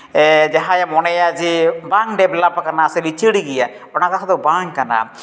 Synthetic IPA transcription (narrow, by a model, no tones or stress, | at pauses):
ɛd͡ʒaɦajamɔnɛjad͡ʒibaŋɖɛblapakanaselit͡ʃʰiɽiɡija | ɔnakakʰad̪ɔwbaŋkana̰